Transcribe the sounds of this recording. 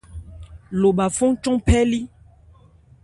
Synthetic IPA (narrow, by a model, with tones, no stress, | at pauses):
lo˨ɓa˨fo˦ŋt͡ʃɔ̃˦ŋpɛ˦li˦